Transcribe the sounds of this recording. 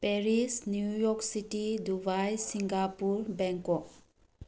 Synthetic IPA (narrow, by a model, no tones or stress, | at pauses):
peɾisnjujɔksitidubajsiŋɡapuɾbɛŋkɔk̚